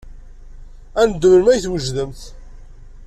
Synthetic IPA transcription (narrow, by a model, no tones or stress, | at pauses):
ænd̪ːəməɾmæjθwəʒðəmθ